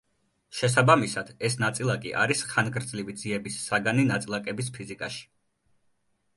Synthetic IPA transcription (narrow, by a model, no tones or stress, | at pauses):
ʃɛs̬abamisad̪̥ɛsnat̪sʼilˠakʼḭʔa̰ɾisχanɡɾd̪zlivid̪ziɛbisːaɡaninat̪sʼilˠakʼɛbis̬pʰizikʼaʃi̥